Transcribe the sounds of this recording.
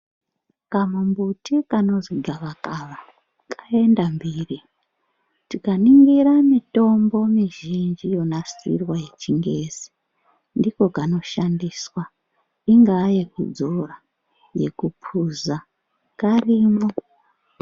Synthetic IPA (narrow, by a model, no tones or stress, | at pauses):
kamumbutikano̞ziɡʱaʋakaʋa | kʰḁendambiːri | tikaniŋɡiɾamito̞mbo̞miʒind͡ʒijo̞nasḭrwaje̞t͡ʃiŋɡe̞zi̥ | ndiko̞kano̞ʃandiswa | iŋɡaje̞kṵd͡zora | je̞̰kupʰuza | kariːmo